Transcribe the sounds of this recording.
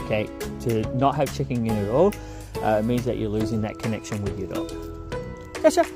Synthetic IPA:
kʰeɪtʰɨnət̚ɦv̥t͡ʃʰɪkɪ̃ŋɨ̃nɨɾɔlˠ | ʔʌt̚mĩnzðɨ̰t͡ʃə̰˞lʉzɪ̃ŋðɨ̰t̚kʰɨnɛkʃɨ̃nwɪðjə˞dɔ̰k | fɛʃə

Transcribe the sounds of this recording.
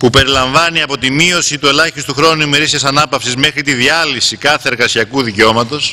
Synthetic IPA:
pupe̞ɾilɐɱvɐniɐpo̞t̪imio̞sit̪ue̞lɐçist̪uxɾo̞nuime̞ɾisiɐsɐnɐpɐfsizme̞xɾit̪iðiɐlisikɐθeeɾɣɐsiɐkuðiceo̞mɐt̪o̞s

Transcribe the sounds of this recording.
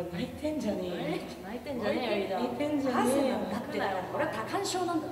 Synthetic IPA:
nait̪ʰẽɲd͡ʑane | nait̪ẽaiait̪ẽɲd͡ʑaeːeakoɾeat̪akãɰ̃ɕoːnãn

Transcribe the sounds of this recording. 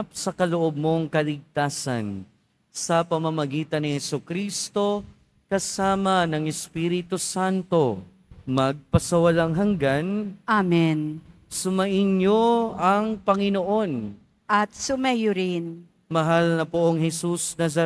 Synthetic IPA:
p̚sɐkɐloʔob̚mo̞ŋkɐlɪɡ̚t̪aːsɐ̰n | sɐpɐmɐmɐɡiːt̪ɐnɪhɛsukɾist̪o̞ | kɐsaːmɐnɐŋɛspiɾɪt̪usant̪o̞ | mɐɡ̚pɐsɐwɐlaŋɦɐŋɡanʔamɛn | sʊmɐʔɪnɲoɐŋpɐŋɪnoʔo̞n | ʔɐt̪̚sʊmɛjʊɾɪn | mɐɦalnɐpoʔoŋhɛsusnazɐ

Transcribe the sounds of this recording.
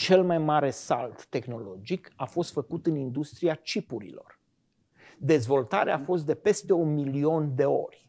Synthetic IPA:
t͡ʃe̞lmajmaɾe̞sa̰lt̪ːe̞xno̞lo̞d͡ʒikafo̞st̪fəkut̪ɨnind̪ust̪ɾiat͡ʃipuɾḭlo̞̰r | d̪e̞zvo̞lt̪a̰ɾeafo̞st̪̚d̪e̞pe̞st̪e̞unmilio̞nd̪e̞o̞̰rʲ

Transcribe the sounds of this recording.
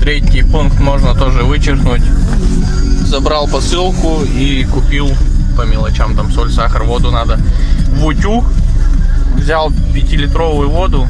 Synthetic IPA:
t̪ɾʲetʲɪjpunkt̪mo̞ʐnət̪o̞ʐɨvɨt͡ɕɪrknʊtʲ | zɐbɾalˠpɐsɨlˠkʊ | i | kʊpʲilˠpəmʲɪlˠɐt͡ɕamt̪amsolʲsaxərvo̞d̪ʊnad̪əvʊtʲu | vzʲalˠpʲɪtʲilʲɪt̪ɾo̞vʊjʊvo̞d̪ʊ

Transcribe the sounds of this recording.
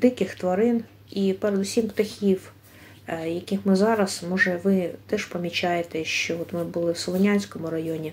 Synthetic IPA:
d̪ɪkɪxt̪ʋɐɾɪn | ipeɾed̪ʊsʲimpt̪ɐxʲiw | jɐkʲixmɪzɑɾɐsmɔʒɛʋɪt̪ɛʃpɐmʲit͡ʃɑjet̪ɛʃt͡ʃɔɔt̪mɪbʊlˠɪwsɔlˠɔnʲanʲsʲkɔmʊɾɐjɔnʲi

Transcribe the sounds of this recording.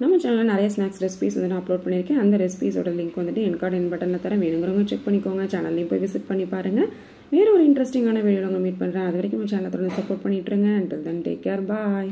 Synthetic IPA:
namːɐt͡ʃaːnɐlãːnɪɾɐjɐsnaːksɾɛspiːsʋɐnd̪ɯnãːɐploːɖ̚pɐɳːɪɾɯkːẽɐnd̪ɐɾɛspiːso̰ːɽɐlɪŋkʋɐnd̪ɯʈːɯɛnkaːɾɖɛnbɐʈːɐnlɐt̪ːɐɾɐ̃ʋeːɳɯŋɡɯɾɯŋɡɐt͡ʃɛk̚pɐɳːɪkːoːŋɡɐt͡ʃaːnɐlːɐjʊ̃poːiʋɪsɪʈ̚pɐɳːipaːɾɯŋɡɐ | ʋeːɾɯ̃ɔɾɯɪɳʈɾɛsʈɪŋɡaːnɐʋiːɖjlɐŋɡɐmiːʈ̚pɐɳːɪɾãːɐðɯʋɐɾɐkːɯmɐ̃t͡ʃaːnɐlɐt̪ːɔɽɐnd̪sɐpoːʈ̚pɐɳːɪʈːɾɯŋɡɐɐɳʈɪld̪ɐnʈḛːkːaːɾbaːj

